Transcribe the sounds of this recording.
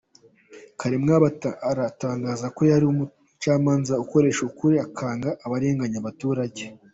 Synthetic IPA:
kaɾemŋaβaɾataːŋɡaːzako̞jaɾiumu | t͡ʃaːmaːnzauko̞ɾe̞ːʃukuɾeakʰaːŋɡaʔːβaɾe̞ːŋɡaɲaβatuːɾaɟe̞

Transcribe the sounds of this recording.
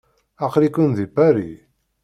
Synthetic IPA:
aqɾikːənðibæɾḭ

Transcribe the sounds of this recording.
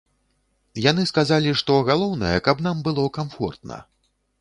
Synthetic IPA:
janɨskazalʲiʂt̪ɔɣalˠɔwnɐjɛ̰kɐbnambɨlˠɔkamfɔ̰rt̪nɐ̰

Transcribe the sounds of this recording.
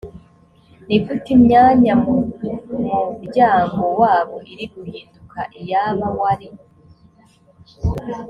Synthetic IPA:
nikutimɲaːɲam | mubɟaːŋɡowaːβoʔiɾiɡuhiːndukʰaʔijaβawwaɾi

